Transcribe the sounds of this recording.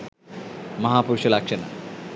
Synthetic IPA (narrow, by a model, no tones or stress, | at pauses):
mɐɦaːpuɾʃɐlakʃɐna̰